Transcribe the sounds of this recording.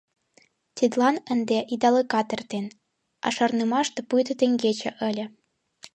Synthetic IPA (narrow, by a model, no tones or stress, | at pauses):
t̪ʲid̪lˠɑnə̆nd̪eʔid̪ɑlɤkɑt̪ə̆rt̪en | ɑ̰ʃɑ̆rnɤmɑʃt̪ɤ̆pujt̪ɤ̆t̪ĕŋɡet͡ɕɘ̆ʔə̆lʲɘ̆